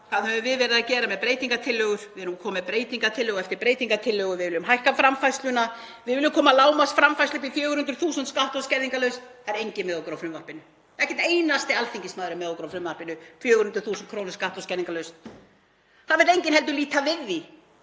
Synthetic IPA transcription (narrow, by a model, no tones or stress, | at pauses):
kʰaðhɛvʏmvɪðvɛːɾɪðacɛːɾamɛðpɾeːjt̪iŋkat̪ʰɪlːœɣʏɾ̥vɪɛɾnukʰɔːmɛpɾeːjt̪iŋkat̪ʰɪlːœːɣɛft̪ɪɾpɾeːjt̪iŋkat̪ʰɪlːœːɣʏɾvɪðvɪlːʏmɦajhkafɾamfajslʏna | vɪðvɪlːʏmkʰɔːmalaːwmasfɾamfajslʏp̬ifjœːɣʏɾhʏnt̪ɾʏ̥θuːsʏnt̪skaht̪ɔscɛɾðiŋkalœɥst̪θaɛɾejɲcɪnmɛðowkɾawfɾʏmvaɾpɪnʏ | ɛhcɛ̥t̪eːjnast̪ɪalθiɲcɪsmaːðɾʏmɛðowkɾawfɾʏmvaɾpɪnʏfjœːɣʏɾhʏnt̪ɾʏ̥θuːsʏnt̪kʰɾoːwnɪɾ̥skaht̪ɔscɛðiŋkalœɥst̪ | θaðvɛɾejɲcɪnɦɛlt̪̬ʏliːt̪avɪði